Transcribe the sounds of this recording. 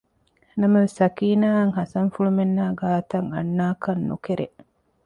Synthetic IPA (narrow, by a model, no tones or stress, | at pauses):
nɐmɐʋesɐkiːnaːŋɦɐsɐŋfuɭumenːaːɡaːt̪ɐŋɐ̰nːaːkɐnːṵkeɾʔḛ